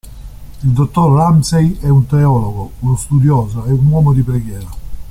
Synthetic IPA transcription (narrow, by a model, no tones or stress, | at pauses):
ild̪ot̪ːorlamsejɛunt̪eɔːloɡounost̪ud̪jɔːzaɛunwɔːmod̪ipɾɛɡjɛːɾa